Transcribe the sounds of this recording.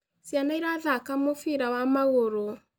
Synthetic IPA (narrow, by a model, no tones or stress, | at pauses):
sjanaiɾaðakamofiɾawamaɣoɾo